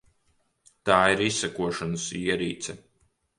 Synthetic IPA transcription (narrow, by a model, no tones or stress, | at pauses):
t̪aːiɾisːækuɔʃanɐsiɛɾḭːt̪sɛ